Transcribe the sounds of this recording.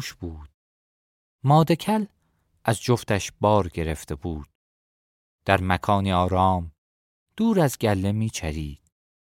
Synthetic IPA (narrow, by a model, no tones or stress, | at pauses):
ʃb̥uːd̪̥̚ | mɒːd̪ekʰæl | ʔæzd͡ʒoft̪æʃbɒːɾɟe̞ɾe̞ft̪ʰe̞buːd̪̥̚ | d̪̥æɾmækʰɒːniɒːɾɒːm | d̪̥uːɾæzɟælːe̞miːt͡ʃʰæɾiːd̪̥̚